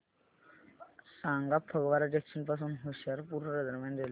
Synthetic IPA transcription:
saŋɡapʰːəɡʋaɾad͡ʑekʃənpas̬uːnɦuɕəɾpuɾʋəɾəd̪əɾmanɾel

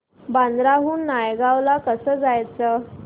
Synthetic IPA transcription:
band̪ɾaɦuːnːajɡaʋlakəsəːd͡zajt͡sə

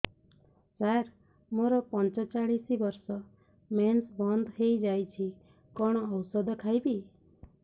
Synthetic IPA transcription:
saɾ | moɾɔpɔnt͡ʃɔt͡ʃaɭisibɔɾsɔ | mensbɔnd̪ɦejd͡ʒajt͡ʃʰi | kɔɽ̃ɔːwsɔd̪ʱɔkʰajbi

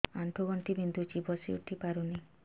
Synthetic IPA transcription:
aɳʈʰoɡɔɳʈibind̪ʱut͡ʃibɔsio̰ʈʰːipaɾuni

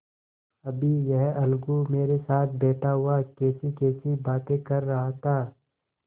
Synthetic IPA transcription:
ɐbʱijɛɦɐlɡumeːɾesaːt̪̚ʰbeːʈʰaɦʊakɛːsikeːsibaːt̪ekɐɾːɐɦat̪ʰaː

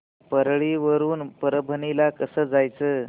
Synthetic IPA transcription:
pəɾɭiʋəɾuːnpəɾəbʱənilakəsəːd͡zajt͡sə

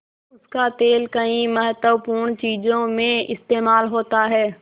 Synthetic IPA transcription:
ʊskat̪eːlkɐĩmɐɦət̪wəpuːɽ̃t͡ɕiːzõmẽɪst̪eːmaːlɦoːt̪aɦɛː

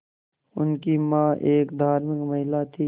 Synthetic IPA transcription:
ʊnkimãːʔeːkd̪ʱaːɾmɪkməɦɪlaːt̪ʰiː

